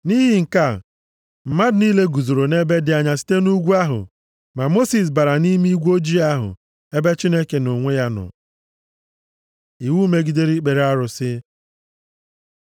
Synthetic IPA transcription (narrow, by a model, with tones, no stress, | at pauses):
ni˦ɦi˨ŋ̩˨ka˦˨ | m̩˨ma˦dniː˦le˦ɡu˨zo˨ɾo˨ne˦be˦dɪ˨a˨ɲa˨si̥˦te˦nu˦ɡʷu˦a˦ɦʊ̰˨ | ma˨mo˦si˨s̬ba˨ɾa˨ni˦m˦i˦ɡʷu˦o˦d͡ʒi˦a˦ɦʊ̰˨ | e˦be˦t͡ʃi˦ne˦ke˨no˨ŋʷe˦ja˦nʊ̰˨ | i˨wu˦me˦ɡi˨de˦ɾi˦k͡pe˨ɾa˦ɾʊ˨sɪ˦